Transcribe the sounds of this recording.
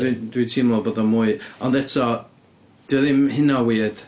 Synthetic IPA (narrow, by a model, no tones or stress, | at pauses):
idwitʰiːmlˠɔbɔðɔmuːɨɔnðɛtʰɔ | d̥ɪðɪmhɪnawiːd̥